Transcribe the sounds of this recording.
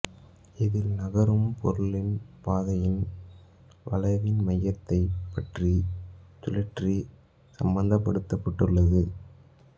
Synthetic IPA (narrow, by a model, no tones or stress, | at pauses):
ɪðɪlnɐɣɐɾɯmpʰɔ̰ɾɯlɪnpaːðɐjɪn | ʋɐ̰lɐɪʋɪnmɐjːɐt̪ːɐɪpːɐʈrit̪ʊlɐʈri | sɐmbɐnd̪ɐpːɐɽɯt̪ːɐpːɐʈːɯɭːɐðɯ